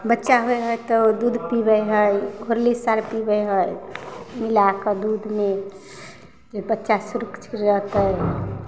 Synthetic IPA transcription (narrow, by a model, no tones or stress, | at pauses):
bətːʃaɦojɦəjt̪ɔd̪ud̪ʱpibəjɦəjɡʱoɾlisaɾpibəjɦəjmilakəd̪ud̪ʱme | d͡ʒebətːʃasuɾəkt͡ʃʰɾɾət̪ə